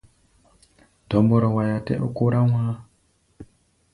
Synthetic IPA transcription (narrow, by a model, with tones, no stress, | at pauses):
d̥ʱɔ˨mbɔ˨ɾɔ˨wa˨ja˨tḛ˦ʔu˦ku˦ɾa˦ŋwa˦